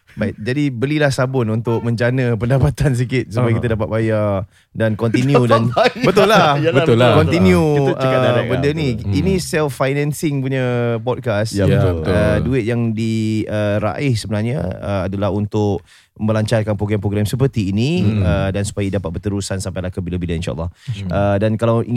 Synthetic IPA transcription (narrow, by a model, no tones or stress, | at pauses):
baɪt̪̚d͡ʒadibəlilahsabʊnunt̪ʊk̚mə̃ɲd͡ʒanə̃pəndapat̪ans̬ikɪt̪̚supajkit̪ədapat̪̚baja | dankɔnt̪injudanbət̪ʊlːabət̪ʊlakɔnt̪injuəaadabəndəniinisɛlffajnɛ̃nsɪŋpuɲəpɔt̚kasaət̪əduɪt̪̚jaŋdiəɾa̰ʔɪhsəbənarɲa̰ə̰adalaɦunt̪ʊʔ | məmbəlaɲt͡ʃarkanpɾoɡɾɛmpɾoɡɾɛmsəpərt̪iːnĩədansu̥pajidapat̪̚bət̪əɾusansampajlahkəbilabilainʃa̰ə̰lːɑhədankalawʔi